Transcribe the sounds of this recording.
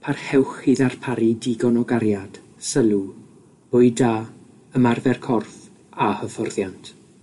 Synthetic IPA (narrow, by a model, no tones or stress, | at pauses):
pʰarhɛwχɪðarpʰaɾidiɡɔnɔɡaɾjad̥ | səlˠu | b̥ʊɨda | əmarvɛrkʰɔrθ | ahəfɔrðjantʰ